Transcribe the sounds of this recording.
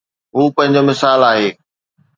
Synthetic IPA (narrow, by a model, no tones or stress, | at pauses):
ɦuːpɐ̃ɦɪ̃ɲd͡ʑomɪsaːlaːɦeː